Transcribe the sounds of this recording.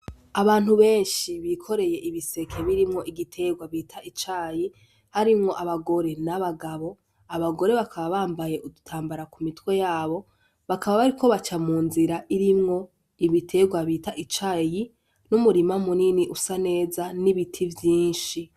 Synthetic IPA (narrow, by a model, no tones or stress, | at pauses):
aβaːn̥huβe̞ːnʃiβikʰo̞ɾe̞je̞ʔiβise̞kʰe̞βiɾimŋo̞ʔiɡitʰe̞ɡwaβiːtʰait͡ʃaːji | haɾimŋo̞ʔaβaɡo̞ɾe̞naβaɡaβo̞ | aβaɡo̞ɾe̞βakʰaβaβaːmbaje̞ʔudutʰaːmbaɾakumitwe̞jaːβo̞ | βakʰaβaβaɾiko̞βat͡ʃamuːnziɾaʔiɾimŋo̞ | iβitʰe̞ɡwaβiːtaʔit͡ʃaːji | numuɾimamuniniʔusane̞ːzaniβitʰivjiːnʃi